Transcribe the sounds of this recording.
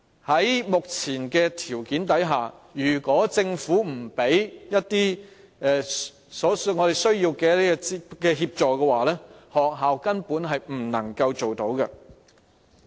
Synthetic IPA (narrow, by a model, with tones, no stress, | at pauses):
hɐ˨˥jmʊ˨k̚t͡sʰiː˨˩nkɛː˧t̪ʰiː˨˩wkiː˨˥nt̪ɐ˨˥jɦaː˨˩jyː˨˩kɔː˨˥t͡sɪ˧ŋfuː˨˥m̩˨˩pe˨˥jjɐ˥t̚t̪iː˥ | ɛː˨˧ | sɔː˨˥sŋɔː˨˧ɾe˨jsɵ˥ɥjiː˧wkɛː˧jɐ˥t̪i˥˧kɛː˧ɦiː˧p̚t͡sɔː˨kɛː˧waː˨lɛː˥hɔː˨k̚ɦaː˨wkɐ˥npuː˨˥nɦɐ˨jm̩˨˩nɐ˨˩ŋkɐ˧wt͡so˨wt̪o˨˥wkɐ˧